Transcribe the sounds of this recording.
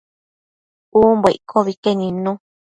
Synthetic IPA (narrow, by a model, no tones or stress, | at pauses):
uːmbeikʰoβikenĩnũ